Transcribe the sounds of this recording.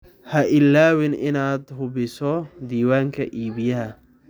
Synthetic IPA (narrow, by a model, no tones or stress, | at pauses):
hɐʔɪlːaːwɪnɪnaːd̪hʊbɪsɔd̪iːwaːŋkʰɐ̰ʔiːβɪjɐɦɐ